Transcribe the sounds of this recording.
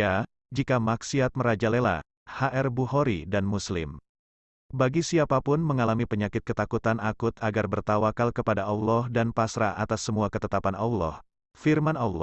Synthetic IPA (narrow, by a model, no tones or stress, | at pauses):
a | d͡ʒikamaksiat̪̚məɾad͡ʒalela̰ | haʔɛrbuɦoɾidanmuslɪ̰m | baɡisiapapʊnməŋalamipəɲakɪt̪̚kət̪akut̪anakʊt̪aɡarbərt̪awakalkəpadaʔaulɔhdanpasɾaʔat̪asːəmuakət̪ət̪apanaulɔ̰h | firmanawlɔ